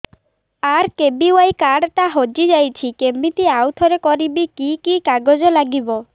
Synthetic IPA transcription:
aɾkebiwajkaɽʈ̪aɦod͡ʒid͡ʒajt͡ʃʰikemit̪iawt̪ʰɔɾekɔɾibikikikaɡɔd͡ʒɔlaɡibɔ

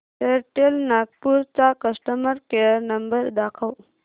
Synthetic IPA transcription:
eɾʈelnak̚puɾt͡sakəsʈəməɾkejəɾnəmbəɾd̪akʰəw

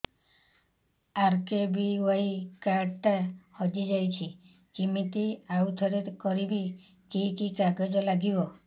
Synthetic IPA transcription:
aɾkebiwajikaɾʈahɔd͡ʒid͡ʒajt͡ʃʰi | d͡ʒimit̪iawt̪ʰɔɾit̪kɔɾibi | kikikaɡɔd͡ʒɔlaɡibɔ

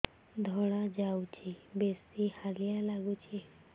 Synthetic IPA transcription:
d̪ʱɔɽ̃ad͡ʒawt͡ʃʰibesihalijalaɡut͡ʃʰi

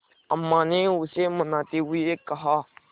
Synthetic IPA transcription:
əmːãːneːʊseːmənãːt̪eːɦʊiekəɦaː

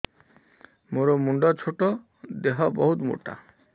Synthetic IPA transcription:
moɾomuɳɖɔt͡ʃʰoʈɔ | d̪eɦɔbɔɦut̪mṵʈa̰

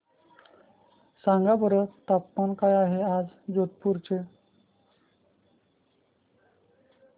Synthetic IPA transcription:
sãŋɡabəɾət̪apːankajaɦead͡zd͡zot̪̚puɾt͡ɕe

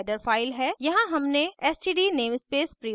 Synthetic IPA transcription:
ɪɖəɾfaːɪlɦɛːjɐɦãɦɐmneɛːsʈiːɖiːneːmspeːspɾi

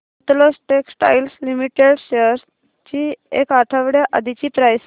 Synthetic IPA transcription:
t̪losʈeksʈa̰jlslimiʈeɽɕəɾs | t͡ɕiḛkaʈ̪ʰəʋɽjaʔə̰d̪ʱit͡ɕiːpɾajs

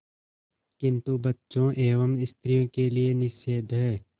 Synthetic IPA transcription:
kɪ̃nt̪ubətːʃõʔeːʋəmɪst̪ɾijõkelienɪʃeːd̪ʱɦɛː

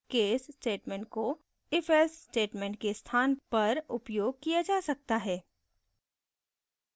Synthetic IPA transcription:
keːsːʈeːʈmẽːɳʈ̚ko | ɪfɛlsːʈeːʈmẽːɳʈkest̪ʰaːnpɐɾʊpjoːɡ̚kijad͡ʒaːsɐk̚t̪aɦɛː

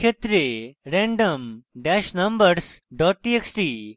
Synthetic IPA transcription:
kʰet̪ɾeɾɛ̃ɳɖəmɖɛʃnɐmbəɾsɖɔːʈ̚ʈieksʈiː

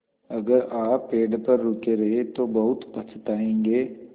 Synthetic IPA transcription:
ɐɡəɾaːeːɖpɐɾːʊːkeɾɐɦet̪obɐɦʊt̪bɐt͡ʃʰt̪aːẽːŋɡeː

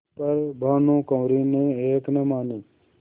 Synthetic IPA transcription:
pəɾbʱaːnõːkə̃ːɾiːneːeːknemaːniː

